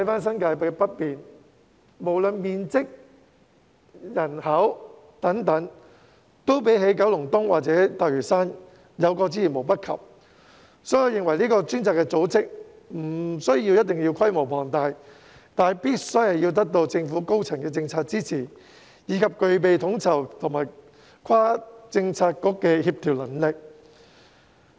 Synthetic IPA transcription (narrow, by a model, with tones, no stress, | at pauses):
jfaː˥ns̬ɐ˥nkaː˧jpɛ˥pɐ˥t̚piː˨n | mo˨˩wlɵ˨nmiː˨nt͡sɪ˥k̚ | jɐ˨˩nhɐ˨˥w | t̪ɐ˨˥ŋt̪ɐ˨˥ŋ | t̪o˥wpe˨˥jɦe˨˥jkɐ˨˥wlʊ˨˩ŋt̪ʊ˥ŋwaː˨k̚t͡sɛː˨˥t̪aː˨k̚ɥyː˨˩saː˥n | jɐ˨˧wkɔː˧t͡siː˥jiː˨˩nmo˨˩wpɐ˥t̚kʰɐ̰˨p̚ | sɔː˨˥jɐ˨˧wjɪ˨ŋwɐ˨˩jliː˥kɔː˧t͡ʃyː˥nt͡saː˨kːɛ˧t͡so˨˥wt͡sɪ˥k̚ | m̩˨˩sɵ˥ɥjiː˧wjɐ˥t̚t̪ɪ˨ŋji˧wkʰɐ˥jmo˨˩wpʰɔː˨˩ŋt̪aː˧j | t̪aː˨˩jpiː˥t̚sɔ˥hɐ˨jiː˧wt̪̬ɐ˥k̚t̪o˧wt͡sɪ˧ŋfuː˨˥ko˥wt͡sʰɐ˨˩ŋkɛː˧t͡sɪ˧ŋt͡sʰaː˧t̚t͡siː˥t͡sʰiː˨˩ | jiː˨˧˥kʰɐ˨p̚kɵ˧ɥp̬e˨jt̪ʰʊ˨˥ŋt͡sʰɐ˨˩wt̪ʰʊ˨˩ŋmaː˨˩j | kʰaː˥t͡sɪ˧ŋt͡sʰaː˧t̚kɔː˨˥kːɛː˧hiː˧p̚t̪ʰiː˨˩wlɐ˨˩nlɪ˨k̚